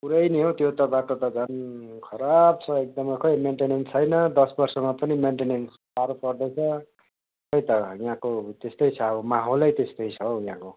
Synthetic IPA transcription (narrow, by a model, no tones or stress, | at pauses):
puɾʌjniɦot̪jot̪ʌbaʈot̪ʌd͡zʱʌnkʰʌɾab̚t͡sʰʌek̚d̪ʌmʌjkʰʌjmeɳʈenent͡sʰʌjnʌd̪ʌsbʌrsʌmapʌnimeɳʈenens | paɾopʌrd̪ʌt͡sʰʌ | kʌjt̪ʌjãkot̪est̪ʌjt͡sʰʌʌbʌmaɦolʌjt̪est̪ʌjt͡sʰʌojã̰ko